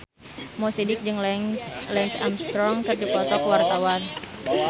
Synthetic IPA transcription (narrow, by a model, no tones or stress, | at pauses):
mɔsidɪk̚d͡ʒɨŋllɛnsa̰mst̪ɾɔŋkərdipɔt̪ɔkəwart̪awan